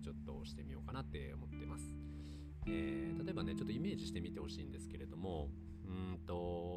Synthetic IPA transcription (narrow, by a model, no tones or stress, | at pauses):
t͡ɕo̞t̪ːo̞ɕi̥t̪e̞mʲijo̞ːkanat̪ːe̞o̞̰mo̞t̪ːe̞masɨ̥ | eːt̪at̪o̞e̞bane̞t͡ɕo̞t̪ːoime̞ːʑiɕi̥t̪e̞mʲit̪e̞ho̞ɕḭːnd̪e̞sɨ̥ke̞ɾe̞d̪o̞mo̞ | ɯ̃t̪o̞